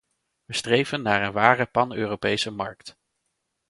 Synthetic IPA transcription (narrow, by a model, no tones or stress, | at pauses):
ʋəstrejvənːaːɹənʋaːrəpɑnøːrowpejsəmɑ̰ɹkt